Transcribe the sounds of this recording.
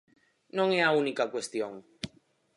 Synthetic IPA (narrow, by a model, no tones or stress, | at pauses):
nõŋeaunikakwest̪joŋ